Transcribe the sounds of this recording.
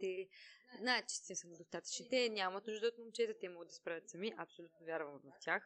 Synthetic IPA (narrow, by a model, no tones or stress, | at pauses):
t̪ɛznaɛt̪t͡ʃɛst̪insənɛd̪ost̪at̪ə̥t͡ʃnit̪ɛnʲamɐt̪nuʒd̪əot̪momt͡ʃɛt̪ɛt̪ɛmɔɡəd̪ɐspɾavʲət̪sɐmiʔɐpsolʲut̪novʲjaɾvəlvɐft̪ʲjax